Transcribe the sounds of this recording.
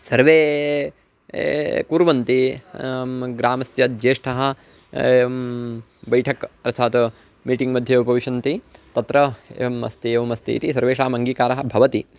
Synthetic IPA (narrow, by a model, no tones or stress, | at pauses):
sɐɾʋeː | kuːɾʋɐnt̪i | ɡɾaːmɐsjɐd̪d͡ʒeːʂʈʰɐɦɐ̆ | bɐjʈʰɐkɐɾɐt̪t͡ʃʰaːt̪u | miːʈiŋɡmɐd̪ʱjɐʋɐpɐʋiʃɐnt̪it̪ɐt̪ɾɐḛɐmɐ̰st̪ieʋɐmɐst̪ḭːt̪isɐɾʋeːʃaːmɐŋɡiːkaːɾɐɦɐ̆bʱɐʋɐt̪i